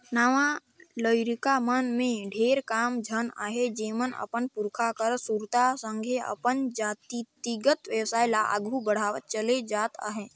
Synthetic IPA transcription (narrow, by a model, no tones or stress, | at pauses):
naːʋã | ləɪɾikamənmẽɖʱeːɾkaːmd͡ʒʱəna̰ːɦed͡ʒeːmənə̰pənpʊɾkʰakəɾsuɾt̪asə̃ŋɡʱeə̰pənd͡ʒaːt̪it̪iɡət̪ʋjəwsaːjlaʔə̰ɡʱubəɽ̤aːʋət̪̚t͡ʃəled͡ʒaːt̪a̰ːɦeː